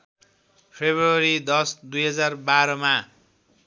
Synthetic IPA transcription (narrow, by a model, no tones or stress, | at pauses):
pʰebrʌɾid̪ʌsd̪ujɦʌd͡zarbaɾʌma